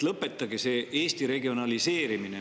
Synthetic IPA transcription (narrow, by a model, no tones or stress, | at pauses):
lɤpːe̞t̪ːˑɑɡise̞ʔeːst̪iɾe̞ɡio̞nɑlise̞ːɾimine